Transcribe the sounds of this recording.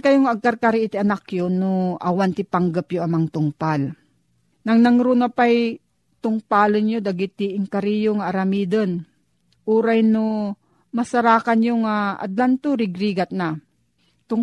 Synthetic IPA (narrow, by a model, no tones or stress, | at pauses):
kɐjoŋɐɡ̚kaɾkaɾɪʔɪt̪ɪʔɐnakjonoʔawant̪ɪpaŋɡapjoamaŋt̪ʊŋpal | nɐŋnɐŋɾunapaj | t̪ʊŋpaːlɪnjod̪aɡɪt̪ːiʔɪŋkaɾijoŋaːɾɐmiːd̪ən | ʔuːɾajno | mɐsaɾaːkanjoŋaa̰d̪lant̪uɾɪɡɾiɡat̪̚na | t̪ʊŋ